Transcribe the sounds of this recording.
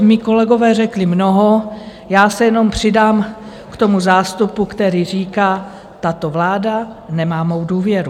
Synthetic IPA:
miːko̞lɛɡo̞vɛːrɛklɪmnoɦo̞ | jaːsɛjɛno̞mpr̝̥ɪdaːm | kt̪o̞muzaːst̪upukt̪ɛɾiːr̝iːkaː | t̪at̪o̞vlaːdanɛmaːmowduːvjɛɾu

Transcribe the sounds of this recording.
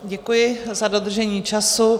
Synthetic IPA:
ɟɛkujɪzado̞d̪r̩ʒɛɲiːt͡ʃasu

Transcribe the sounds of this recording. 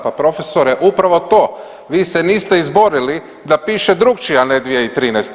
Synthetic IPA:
papɾo̞fe̞soɾeʔupɾaʋo̞t̪o̞ː | ʋiːseniːst̪eizbo̞ɾili | d̪apiːʃed̪ɾukt͡ʃianed̪ʋijeit̪ɾiːnɛjst̪

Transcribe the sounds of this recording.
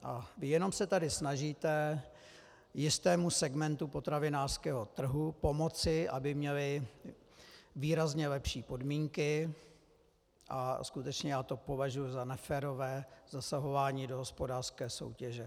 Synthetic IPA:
ʔavɪjɛno̞msɛt̪adɪsnaʒiːt̪ɛ | jɪst̪ɛːmusɛɡmɛnt̪upo̞t̪ɾavɪnaːr̥skɛːɦo̞t̪r̩ɦupo̞mo̞t͡sɪʔabɪmɲɛlɪ | viːɾazɲɛlɛpʃiːpo̞dmiːŋkɪ | ʔa̰skut̪ɛt͡ʃɲɛjaːt̪o̞po̞vaʒujuzanɛfɛːɾo̞vɛːz̥asaɦo̞vaːɲiːdoɦospo̞daːr̥skɛːso̞̰wcɛʒɛ

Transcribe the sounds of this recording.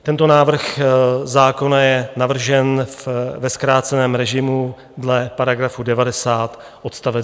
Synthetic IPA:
t̪ɛnt̪o̞naːvr̩xzaːko̞najɛnavr̩ʒɛnvɛskɾaːt͡sɛnɛːmɾɛʒɪmu | dlɛpaɾaɡɾafudɛvadɛsaːt̪ | ʔot̪st̪avɛ

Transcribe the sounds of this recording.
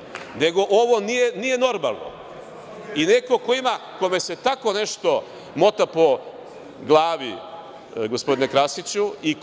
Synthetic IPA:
ne̞ɡo̞ʔoʋo̞nijenije̞no̞ɾma̰lˠno̰ | ine̞ko̞kojimakome̞se̞t̪ako̞ne̞ʃt̪o̞ | mo̞t̪apo̞ | ɡlˠaːʋi | ɡospo̞d̪inekɾasit͡ɕui

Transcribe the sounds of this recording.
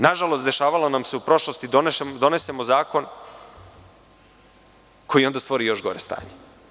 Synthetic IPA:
naʒalo̞st̪d̪e̞ʃaːʋalanamse̞upɾo̞ʃlˠo̞st̪id̪ond̪o̞ne̞se̞mo̞zaːko̞n | ko̞jiond̪ast̪ʋo̞ɾijo̞ʃɡo̞ɾest̪a̰ːɲe

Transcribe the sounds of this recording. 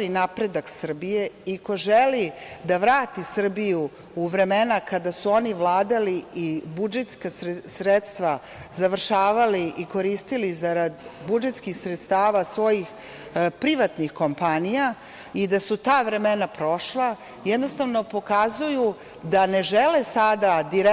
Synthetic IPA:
ɾinapɾed̪aksr̩bije̞iko̞ʒelid̪aʋɾaːt̪isr̩biju | uʋɾe̞me̞nakad̪asuo̞niʋlˠaːd̪aliibud͡ʒet̪skasɾet̪st̪ʋa | zaʋr̩ʃaːʋaliʔiko̞ɾiːst̪ilizaɾad̪bud͡ʒet̪skixsɾet̪st̪aːʋasʋo̞jix | pɾiʋat̪nixko̞mpanija | id̪asut̪aːʋɾe̞me̞napɾo̞ʃlˠa | jɛd̪nost̪aʋno̞po̞kazuju | d̪ane̞ʒelesad̪ad̪iɾe

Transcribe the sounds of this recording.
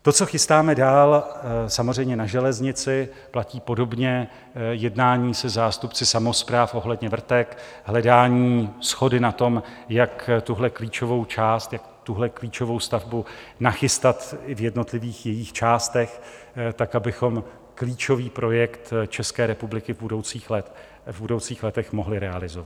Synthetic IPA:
t̪o̞t͡so̞xɪst̪aːmɛdaːlsamozz̝ɛjmɲɛnaʒɛlɛzɲɪt͡sɪ | placiːpo̞do̞bɲɛ | jɛdnaːɲiːsɛzaːst̪upt͡sɪsamo̞spɾaːfʔo̞ɦlɛdɲɛvr̩t̪ɛk | ɦlɛdaːɲiːsxo̞dɪnat̪o̞m | jakt̪uɦlɛkliːt͡ʃo̞vo̞wt͡ʃaːst̪jak̚t̪uɦlɛkliːt͡ʃo̞vo̞wst̪avbunaxɪst̪at̪ɪvjɛdno̞t̪lɪviːxjɛjixt͡ʃaːst̪ɛx | t̪akabɪxo̞m | kliːt͡ʃo̞viːpɾo̞jɛkt̪t͡ʃɛskɛːɾɛpublɪkɪvbudo̞wt͡siːxlɛt̪ | vbudo̞wt͡siːxlɛt̪ɛxmoɦlɪɾɛalɪzovat̪

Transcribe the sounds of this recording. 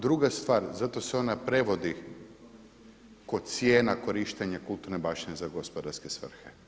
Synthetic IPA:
d̪ɾuɡast̪ʋaːɾzat̪o̞seo̞napɾe̞ʋo̞d̪i | ko̞d̪t̪sjeːnako̞ɾiʃt̪eɲakulˠt̪uɾnebaʃinezaɡospod̪aɾske̞sʋr̩xe

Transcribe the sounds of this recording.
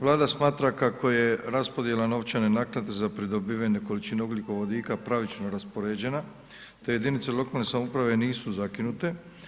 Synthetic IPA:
ʋlˠaːd̪asmaːt̪ɾakako̞je̞ɾaspo̞d̪je̞lano̞ʋt͡ʃanenaknad̪e̞zapɾid̪o̞biʋaneko̞lit͡ʃinuuɡlʲiko̞ʋo̞d̪iːkapɾaʋit͡ʃnoɾaspo̞ɾeːd͡ʑe̞na | t̪eje̞d̪init̪selˠo̞kalne̞samoupɾaʋe̞niːsuzakinut̪e̞

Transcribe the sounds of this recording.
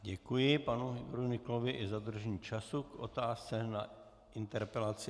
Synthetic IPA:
ɟɛkujɪpanuɦɪɡoɾunɪklovɪʔɪzad̪r̩ʒɛɲiːt͡ʃasukʔo̰t̪aːst͡sɛna | ɪnt̪ɛɾpɛlat͡sɪ

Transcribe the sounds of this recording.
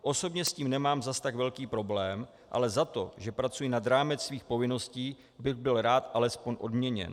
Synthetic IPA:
ʔo̞so̞bɲɛsciːmnɛmaːmzast̪aɡvɛlkiːpɾo̞blɛːm | ʔa̰lɛzat̪o̞ʒɛpɾat͡sujɪnad̪ɾaːmɛt͡ssviːxpo̞vɪno̞sciː | bɪɣbɪlɾaːt̪ʔalɛspo̞ɲʔo̞dmɲɛɲɛ̰n

